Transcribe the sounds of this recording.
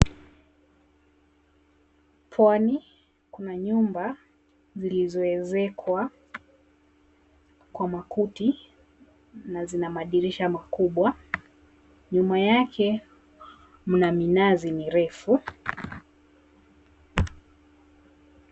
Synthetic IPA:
pʰwani | kunaɲumba | zilizɔɛzɛkʰwa | kwamakuti | nazinamaɗiɾiʃamakuɓwa | ɲumajakʰɛ | m̩naminaziniɾɛfu

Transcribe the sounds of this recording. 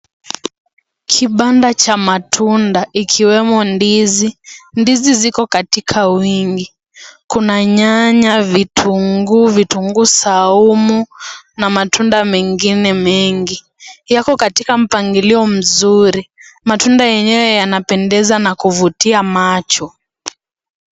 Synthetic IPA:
kʰiɓandat͡ʃamatʰundaʔikʰiwɛmɔndizindizizikɔkatikʰawiŋɡi | kunaɲaɲavitʰuŋɡuvituŋɡusaumunamatʰundamɛŋɡinɛmɛŋɡi | jakɔkatikam̩paŋɡiliɔm̩zuɾimatundajɛɲɛwɛjanapɛndɛzanakuvutiamat͡ʃɔ

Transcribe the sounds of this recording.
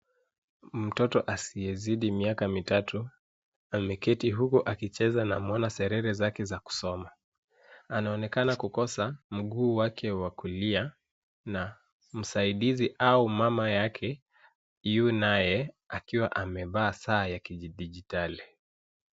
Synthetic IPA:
m̩tɔtɔʔasiɛziɗimiakamitatʰu | amɛkɛtiɦukuʔakit͡ʃɛzanamɔnasɛɾɛɾɛzakɛzaku̥sɔma | anaɔnɛkanakukɔsam̩ɠuːwakʰɛwakulia | na | m̩saiɗiziʔaumamajakʰɛ | iunajɛ | akiwaʔamɛvaːsaːjakiʄiɗiʄitali

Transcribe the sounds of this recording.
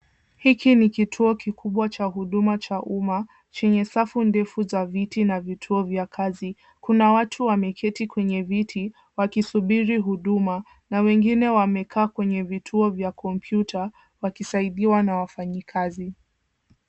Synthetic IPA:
hikinikitʰuɔkikʰuɓwat͡ʃaɦuɗumat͡ʃaʔuma | t͡ʃɛɲɛsafundɛfuzavitinavitʰuɔvjakʰazi | kunawatʰuwamɛkʰɛtikwɛɲɛvitʰi | wakisuɓiɾiɦuɗuma | nawɛŋɡinɛwamɛkʰaːkwɛɲɛvitʰuɔvjakɔmpʰjutʰa | wakisaiɗiwanawafaɲikʰazi

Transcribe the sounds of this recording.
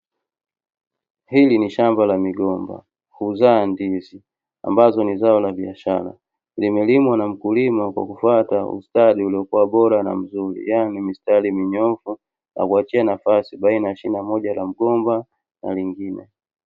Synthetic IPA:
hiliniʃambalamiɡɔmba̰ | huzandizi | a̰mbazɔnizaɔlabiaʃala̰ | limɛlimwanam̩kulimakwa̰kufataṵstadiuliɔkuwabɔɾana̰m̩zulḭjanimistalimiɲɔfu | na̰kuat͡ʃianafasibainaaʃinamɔɟalam̩ɡɔmba | na̰liŋɡinɛ̰

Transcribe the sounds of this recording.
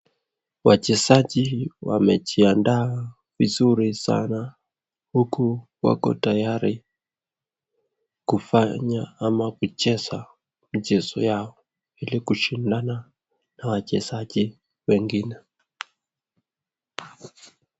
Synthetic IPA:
wat͡ʃɛzaʄiwa̰mɛt͡ʃiandaː | vizuɾisa̰na | hukuwa̰kɔ̰tajaɾi | kufaɲaamakut͡ʃɛza | m̩ʄɛzɔ̰jaɔ | ilikuʃindana | nawat͡ʃɛzaʄi | wɛŋɡinɛ

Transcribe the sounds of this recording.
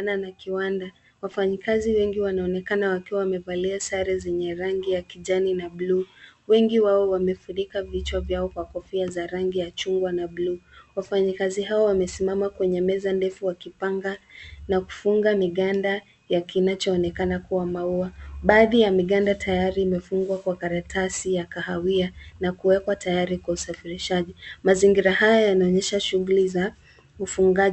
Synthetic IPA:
nanakiwanda | wafaɲikaziwɛŋɡiwanaɔnɛkanawakiwawamɛvaliasaɾɛzɛɲɛɾaŋɡijakiʄaninabluwɛŋɡiwaɔwamɛfunikavit͡ʃwavjaɔkwakɔfiazaɾaŋɡijat͡ʃuŋɡwanabluːwafaɲikaziɦawɔwamɛsimamakwɛɲɛmɛzandɛfuwakipaŋɡanaku̥fuŋɡamiɠanda | jakinat͡ʃɔːnɛkanakuwamauaɓaːðijamiɠandatʰajaɾiːmɛfuŋɡwakwakaɾatʰasijakaɦawianakuwɛkwatajaɾikwausafiɾiʃaʄimaziŋɡiɾahajɔjanaɔɲɛʃaʃuɣuliza | ufuŋɡa

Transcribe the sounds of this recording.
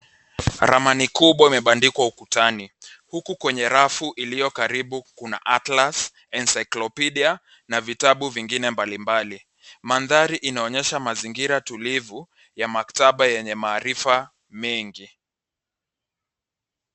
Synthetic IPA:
ɾa̰manikuɓwaimɛɓandikwaukutanihukukwɛɲɛɾafuʔilijɔkaɾiɓukuna̰ʔatlas | ɛnsajklɔpiɗia | navitaɓuviŋɡinɛmbalimbali | manðaɾiʔinaɔɲɛʃamaziŋɡiɾatulivu | jamaktaɓajɛɲɛmaːɾifa | mɛŋɡi

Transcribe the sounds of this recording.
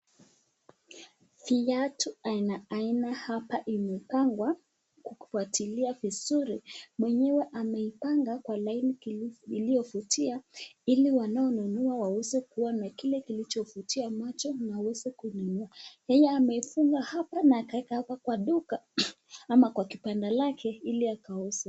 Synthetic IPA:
fiatuainaainahapaʔimɛkaŋɡwa | kuku̥fuatiliavizuɾimwɛɲɛwɛʔamɛipaŋɡakwalainikilijɔfutʰiailiwanaɔnunuawawɛzɛkuwanakilɛkilit͡ʃɔfutʰiamat͡ʃɔnawawɛzɛkununuajɛjɛamɛifuŋɡahapanaːkawɛkahapakwaɗuka | amakwakipandalakʰɛiliakaɔsa

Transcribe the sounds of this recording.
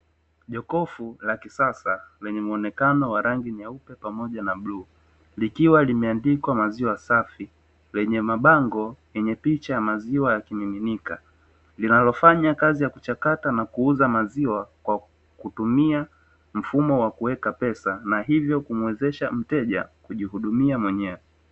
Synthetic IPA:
ʄɔkɔfulakisasalɛɲɛmuɔnɛkanɔwaɾaŋɡiɲaupɛpamɔʄanabluː | likiwalimɛandikwamaziwasafi | lɛɲɛmaɓaŋɡɔjɛɲɛpit͡ʃajamaziwajakimiminika | linalɔfaɲakazijakut͡ʃakatanakuuzamaziwakwa | kutumia | m̩fumɔwakuwɛkapɛsanaɦivjɔkum̩wɛzɛʃam̩tɛʄa̰kuʄiɦuɗumiamwɛɲɛwɛ

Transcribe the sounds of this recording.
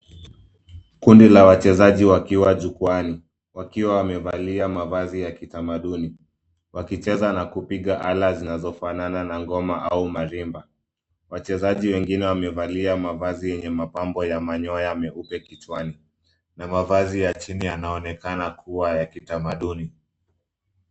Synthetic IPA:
kundilawat͡ʃɛzaʄiwakiwaʄukuani | wakiwawamɛvaliamavazijakitamaɗuni | wakit͡ʃɛzanakupiɠaʔalazinazɔfanananaŋɡɔmaʔaumaɾimba | wat͡ʃɛzaʄiwɛŋɡinɛwamɛvaliamavazijɛɲɛmapambɔjamaɲɔjamɛupɛkit͡ʃwani | namavazijat͡ʃinianaɔnɛkanakuwajakitamaɗuni

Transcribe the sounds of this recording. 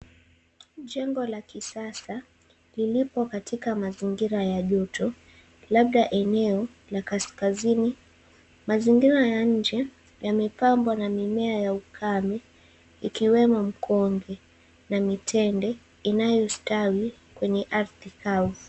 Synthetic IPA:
ʄɛŋɡɔlakisasa | lilipɔkatʰikamaziŋɡiɾajaʄɔtʰɔ | laɓ̚ɗaʔɛnɛɔ | lakaskazini | maziŋɡiɾajaɲ̩d͡ʒɛ | jamɛpambwanamimɛajaukʰamɛ | ikiwɛmɔm̩kʰɔŋɡɛ | namitʰɛndɛ | inajɔstawi | kwɛɲɛʔaɾθikau

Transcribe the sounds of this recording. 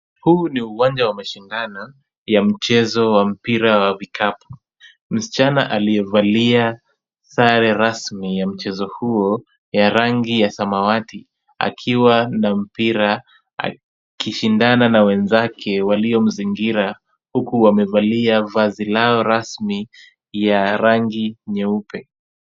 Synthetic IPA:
huːniuwand͡ʒawamaʃindanɔ | jam̩t͡ʃɛzɔwam̩piɾawavikʰapu̥ | m̩si̥t͡ʃana̰ʔaliɛvalia | saɾɛɾasmijam̩t͡ʃɛzɔhuɔ | jaɾaŋɡijasamawatʰi | a̰kʰiwanam̩piɾa | a̰ | kiʃindananawɛnzakʰɛwaliɔm̩ziŋɡiɾa | hukuwamɛvaliavazilaɔɾasmi | jaɾaŋɡiɲɛupɛ

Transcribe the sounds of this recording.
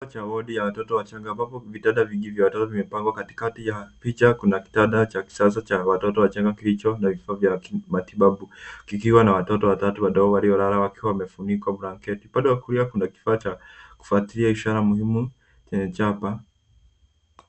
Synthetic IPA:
t͡ʃawɔɗijawatɔtɔwat͡ʃaŋɡambapɔvitaɗaviɡivjawatɔtɔvimɛpaŋɡwakati̥katijapit͡ʃakunaki̥taɗat͡ʃaki̥sasat͡ʃawatɔtɔwat͡ʃaŋɡakilit͡ʃɔnavifaːvjamatiɓaɓukikiwanawatɔtɔwatatuwaɗɔɔwaɾiɔɾaɾawakiwawamɛfunikwabuɾaŋkɛtiɓaɗɔwakuɾiakunaki̥faːt͡ʃaku̥fatiliaiʃaɾamuhimu | t͡ʃɛɲɛt͡ʃapa

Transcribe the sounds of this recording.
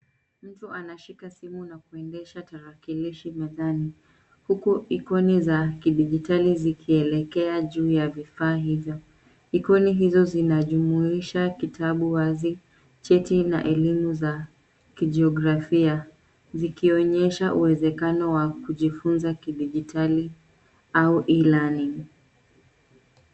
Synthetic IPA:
m̩tuʔanaʃikasimunakuɛndɛʃataɾakiliʃimɛðani | hukuikɔnizakiɗiʄitalizikʰiɛlɛkɛaʄuːjavifaːɦivjɔ | ikɔniɦizɔzinaʄumuiʃakitʰaɓuwazi | t͡ʃɛtina̰ʔɛlimuza | kiʄɛɔɡɾafia | zikiɔɲɛʃaʔuwɛzɛkanɔwakuʄifunzakiɗiʄitʰali | auʔilani

